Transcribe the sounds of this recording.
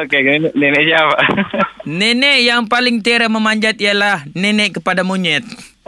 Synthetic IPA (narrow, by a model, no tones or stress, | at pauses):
okenɛnɛʔnɛnɛʔsiapaʔ | nɛnɛʔjaŋpalɪŋt̪iaɾaməmaɲd͡ʒat̪ialahnɛnɛʔkəpadamuɲɛt̪̚